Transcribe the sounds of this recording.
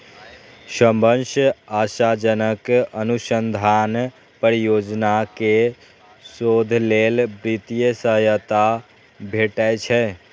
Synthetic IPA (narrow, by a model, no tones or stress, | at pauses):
səmbənʃasad͡ʒənəkənusənd̪ʱan | pəɾijod͡ʒnake | sod̪ʱlelbɾit̪ijəsəɦəjət̪a | bʱeʈət͡ʃʰɛ